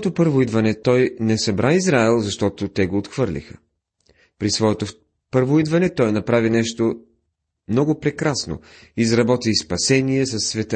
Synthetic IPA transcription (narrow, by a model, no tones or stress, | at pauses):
ɔt̪opɤɾvoid̪vɐnɛt̪ɔjnɛsɐbɾʔaizɾaɛlˠzɐʃt̪ɔt̪ot̪ɛɡoːt̪xv̥ɤɾlʲḭxə | pɾisvɔɛt̪o | pɤɾvoid̪vɐnɛt̪ɔjnɐpɾavinɛʃt̪o | mnɔɡʊpɾɛkɾasno̰ | izɾɐbɔt̪ispɐsɛniɛsɐsːvɛt̪ə